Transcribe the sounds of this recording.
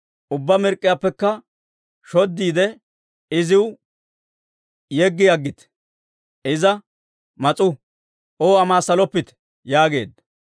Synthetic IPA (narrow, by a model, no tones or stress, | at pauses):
ʔʊbːɐmɪɾkʼːɪjaːpːɛkːɐ | ʃɔd̪ːiːd̪ɛ | ɪzɪw | jɛɡːɪjɐɡːɪt̪ | ɪzɐ | mɐt͡sʼʊ | oːɐmaːsːɐlɔpːɪt̪ɛ̥ | jaːɡe̞̰ːd̪ɐ